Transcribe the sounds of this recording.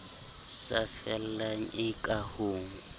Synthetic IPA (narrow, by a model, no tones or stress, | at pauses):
safɛllaŋ̩ɪkʼahuːŋ